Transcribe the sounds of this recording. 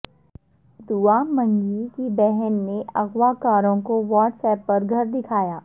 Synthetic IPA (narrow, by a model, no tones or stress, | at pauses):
d̪uamɐ̃ŋɡikibɛɦɛnːeʔɐɣʋakaːɾõkoʋaːʈsɛːpːɐɾɡʱɐɾd̪ɪkʰaːjaː